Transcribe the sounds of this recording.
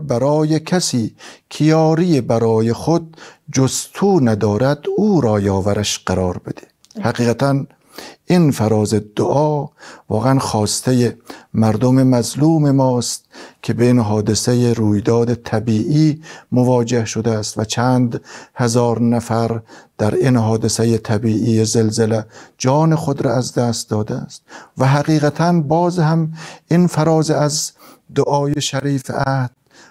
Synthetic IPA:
bæɾɒːjekʰæsiːkʰijɒːɾijebæɾɒːjexod̪̚d͡ʒost̪ʰuːnæd̪ɒːɾæd̪uːɾɒːjɒːvæɾæʃɢæɾɒːɾbe̞d̪̥e̥ | hæɡiːɣæt̪ʰæn | ʔinfæɾɒːzed̪̥oʔɒːvɒːɣeænxɒːst̪ʰejemæɾd̪omemæzluːmemɒːst̪̚kʲʰe̞beinɦɒːd̪esejeɾuːjd̪ɒːd̪et̪ʰæbiːʔiːmovɒːd͡ʒe̞hʃod̪ææst̪væt͡ʃʰæːnd̪hezɒːɾnæfæɾd̪̥æɾinɦɒːd̪esejet̪ʰæbiːʔiːjezelzeled͡ʒɒːnexod̪ɾɑæzd̪æːst̪̚d̪ɒːd̪eæ̰st̪væɦæɣiːɣæt̪ʰænbɒːzhæmʔinfæɾɒːzeæz | d̪oʔɒːjeʃæɾiːfæhd̪̥

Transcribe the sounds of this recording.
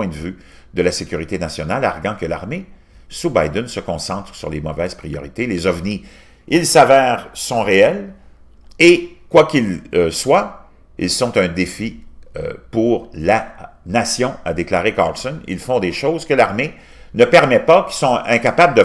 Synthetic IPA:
wɛ̃d̪əvy | d̪əlasekʲyʁit̪enasjɔnala̰ʁɡɑ̃kəla̰ʁme | subajd̪ɛnsəkɔ̃sɑ̃t̪ʁsyʁlemɔvɛːz̥pʁijɔʁit̪elezɔvni | ilsavɛːʁsɔ̃ʁeɛl | ekwakʲilswa | ḭlsɔ̃t̪œ̃d̪efiø̰puʁla | nasjɔ̃ad̪eklaːʁeka̰ʁlsɔnḭlfɔ̃d̪eʃɔʊzkəlaʁme | nəpɛʁmɛpakʲisɔ̃ɛ̃kapabləd̪ə

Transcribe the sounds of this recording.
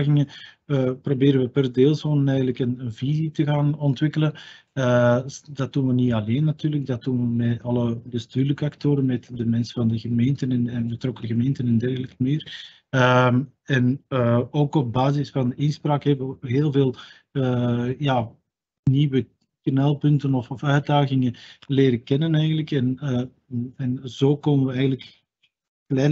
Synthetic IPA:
ɣɪŋən | əprobeːɾənʋəpərdeːlˠzoːnənɛːjɣələkənənvizitəɣaːnɔntʋɪkələnəd̥ɑt̚d̥unʋənitɑleːnːɑtyːrləɡ̚dɑt̚dunʋəmɛtɑlˠəbəstyːrləkəɑktoːɾənmɛtdəmɛnsəvɑndəɣəmeːntənɛnɛnbətrɔkəɣəmeːntənɛndɛrɣələkəmɪːr | əɛnoːkɔb̚baːzɪsfɑndəɪnspraːkɦɛbəəɦeːlˠveːlˠ | əjaː | niːwə | kənɛlˠpɵntənɔfɔfœɥt̚daːɣɪŋənleːɾəkɛnənɛjɣənləkɛn | ɛnzoːkɔnənʋəɛjɣənlək | klɛː

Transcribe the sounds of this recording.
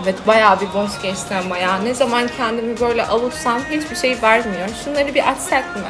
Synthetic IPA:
vɛt̪bajaːbiboscɛʃt̪ɛmajanɛzamancʰɛnd̪imibø̞jlʲɛʔalˠusamɦit͡ʃbiʃe̞jivæɾmijo̞ɾʃunlˠaɾɯbiʔat̪sɛt̪m

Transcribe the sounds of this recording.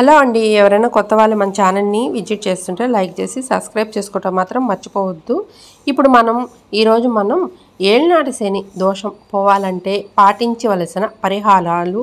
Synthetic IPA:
hɐlo̞ːɐɳɖiɛʋɐɾɐjnaːkɔt̪ːɐʋaːɭːumɐnɐt͡ʃaːnɐlniʋid͡ʒiʈ̚t͡ʃe̞ːst̪uɳʈe̞ːlɐjk̚t͡ʃe̞ːsisɐbskɾɐjb̚t͡ʃe̞ːsu̥kuːʈɐːmːaːt̪ɾɐmːɐt͡ʃːi̥pɔːʋɐd̪ːu | ipːuɽumɐnɐm | iːɾo̞ːd͡ʒumɐnɐm | eːɭnaːʈɐsenid̪ɔːʂɐmpɔːʋaːlɐɳʈe̞ːpaːʈiɲt͡ʃiʋɐlɐsinɐpɐɾiɦaːɭaːlu

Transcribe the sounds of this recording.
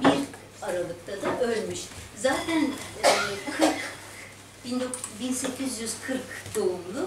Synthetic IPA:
biɾ | aɾalˠɯk̚t̪ʰad̪aʔø̞lʲmyʃzaːt̪ʰænːbkʰɯɾk | b̥ind̪okbinse̞cʰizjyzkʰɯɾkd̪̥o̞umlˠʊ

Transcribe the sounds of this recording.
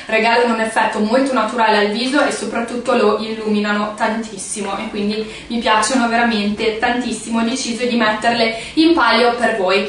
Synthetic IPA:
reɡaːlanounefːɛt̪ːomolt̪onat̪uɾaːlealviːzoʔesːopɾat̪ːut̪ːoloʔilːuːminanot̪ant̪ʰisːimoʔekːwind̪i | mipjaːt͡ʃonoveɾament̪et̪ant̪isːimod̪et͡ʃiːzoed̪imɛt̪ːerleimpaljopervoːj

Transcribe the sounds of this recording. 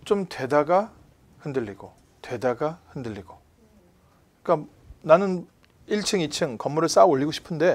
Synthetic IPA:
t͡ɕomtʰe̞daɡa | hɯndɯɭʎːiɡo | twe̞daɡahɯndɯʎːiɡ̥o | ik͈a | nanɯn | iɭt͡ɕʰɯŋit͡ɕʰɯŋkʌmːuɾɯɭs͈aoʎːiɡoɕʰi̥pʰɯnde̞

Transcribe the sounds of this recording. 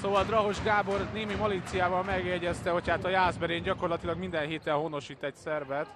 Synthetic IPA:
soːvɒld̪rɒɦoʒɡaːbo̞rneːmimolit̪sijaːvɒlmɛɡjɛɟɛst̪ɛho̞chaːt̪ɒjaːzbɛɾeːɲɟɒko̞rlɒt̪ilɒɡmind̪ɛnɦeːt̪ɛnɦono̞ʃiːt̪ɛcsɛrvɛt̪

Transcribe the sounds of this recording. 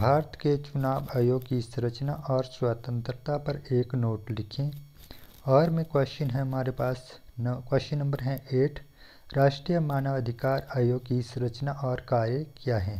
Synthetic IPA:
bʱaːɾt̪ket͡ʃʊnaːʋaːjoːɡkisɾət͡ʃnaʔɔːɾswaːt̪ə̃nt̪ɾət̪apɐɾeːknoːʈlɪkʰẽ | ɔːɾmẽkwɐʃinɦɛ̃ɐmaːɾepaːsnkwɐʃinɐ̃mbəɾɦɛ̃ʔeːʈʰ | ɾaːʃʈɾijəmaːnəʋɐd̪ʱɪkaːɾaːjoːɡkisɾət͡ʃnaʔɔːɾkaːɾjəkijaɦɛ̃ː

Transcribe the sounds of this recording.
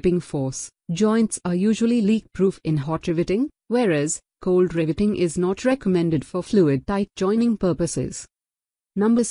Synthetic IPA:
pɪ̃ŋfɔːs | d͡ʒɔ̃ɪ̃ntsajuːʒuəliliːk̚pʰɾuːfɪ̃nɦɔʈɾɪʋɪʈɪ̃ŋ | wɛːɾæz̥ | kʰoʊlɖɾɪʋɪʈɪ̃ŋʔɪznɔʈʰɹɛkəmɛ̃nɖɪɖfɔfluːɪɖ̚ʈaɪʈ̚d͡ʒɔ̃ɪ̃nɪ̃ŋpəːpəsɪ̰z | nʌ̃mbəz

